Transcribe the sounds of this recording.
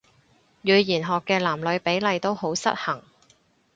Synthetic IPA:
jyː˨˧jiː˨˩nɦɔː˨kːɛː˧laː˨˩mlɵ˨˧ɥpe˨˥jlɐ˨˧jt̪o˥who˨˥wsɐ̰˥t̚hɐ˨˩ŋ

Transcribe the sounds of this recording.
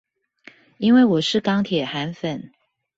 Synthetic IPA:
i˥nwe˥˩ɪwɔ˨˩ʂɻ̩˥˩kɑ˥ŋt̪ʰjɛ˨˩xa˧˥nfə˨˩˦n

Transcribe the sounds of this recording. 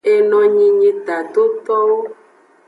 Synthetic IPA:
e˨nɔ̃˨ɲĩ˨ɲĩ˨t̪a˨d̪o˦t̪ɔ˦wo˦

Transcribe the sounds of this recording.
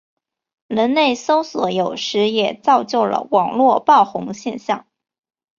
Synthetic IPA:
ɻə˧˥nne˥˩ɪso˥ʊswɔ˧˩jo˨˩ʊʂɻ̩˧˥jɛ˨˩t͡sɑ˥˧ʊt͡ɕjo˥˩ʊlə̰˩wɑ˨˩ŋlwɔ˥˧pɑ˥˩ʊxʊ˧˥ŋɕjɛ˥˧nɕjɑ˥˩ŋ

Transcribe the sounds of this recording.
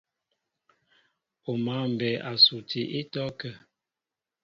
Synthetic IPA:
o˨ma˨˦˨m̩˨bɛ˨ʔa˨su˨tʰi˨ʔi˦tɔ˦kə˦˨

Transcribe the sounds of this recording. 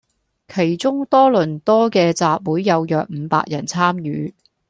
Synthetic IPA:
kʰe˨˩jt͡sʊ˥ŋt̪ɔː˥lɵ˨˩nt̪ɔː˥kɛː˧t͡saː˨p̚wuː˨˥jːɐ˨˧wjœː˨k̚m̩ː˨˧pa̰ː˧k̚jɐ˨˩nt͡sʰaː˥mjyː˨˧

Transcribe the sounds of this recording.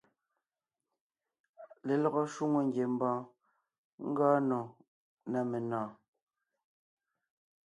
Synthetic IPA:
le˨lɔ˨ɣɔ˦ʃu˦ŋo˨ŋ̩˦ɡje˨m̩˦bɔ̃ː˦ | ŋ̩˦ɡɔː˦nɔ̃˨ | na˨me˨nãː˨

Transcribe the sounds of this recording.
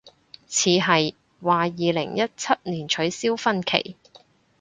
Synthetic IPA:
t͡sʰiː˨˧ɦɐ˨j | waː˨jiː˨lɪ˨˩ŋjɐ˥t̚t͡sʰɐ˥t̚niː˨˩nt͡ʃʰɵ˨˥ɥsiː˥wfɐ˥nkʰḛ˨˩j

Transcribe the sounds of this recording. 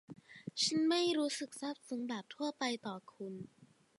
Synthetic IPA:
t͡ɕʰa˦˥nma˥˩jɾuː˦˥sɯ˨˩k̚sa˥˩p̚sɯ˩˦ŋbaː˨˩p̚t̪ʰu˥˩ɐpa˧jt̪ɔː˨˩kʰu˧n

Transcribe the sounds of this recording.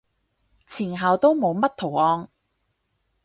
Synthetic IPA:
t͡sʰiː˨˩nɦɐ˨wt̪o˥wmo˨˧wmɐ˥t̚t̪ʰo˨˩wʔɔː˧ŋ

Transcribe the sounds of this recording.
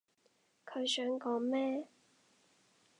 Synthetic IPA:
kʰɵ˨˧ɥsœː˨˥ŋkɔː˨˥ŋmɛː˥

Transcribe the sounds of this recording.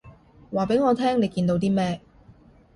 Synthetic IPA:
waː˨˩pe˨˥jŋɔː˨˧t̪ʰɛː˥ŋne˨˧jkiː˧nt̪o˧wt̪iː˥mɛː˥

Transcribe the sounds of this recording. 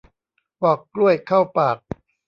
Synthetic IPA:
wɔː˨˩kːlu˥˩əjkʰa˥˩wpaː˨˩k̚

